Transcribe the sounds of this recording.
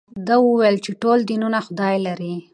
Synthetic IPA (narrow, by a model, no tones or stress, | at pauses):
d̪awuwejlt͡ʃeʈold̪inunaxʊd̪ɑjlaɾi